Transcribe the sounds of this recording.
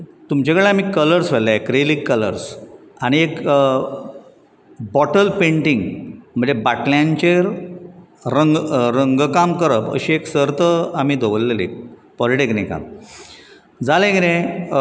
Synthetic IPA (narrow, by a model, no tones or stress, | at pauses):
t̪umt͡ɕekəɭeam̤iːkələɾsʋelaekɾelikːələ̰ɾs | aɽ̃iek | bɔʈəlpeɳʈiŋɡm̤ə̃ɳd͡zebaʈljãɲt͡ɕeɾ | ɾəŋɡɾəŋɡkamkəɾəpə̰ɕieksəɾt̪əamiːd̪ʱoʋəlːelḛk̚pɔliʈeknika̰m | d͡zalẽɡiɾẽ